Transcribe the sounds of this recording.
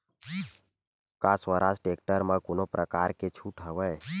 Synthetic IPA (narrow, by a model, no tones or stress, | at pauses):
kaswəɾʔasʈek̚ʈəɾmãkonopɾəkaɾket͡ʃʰuʈɦəʋəj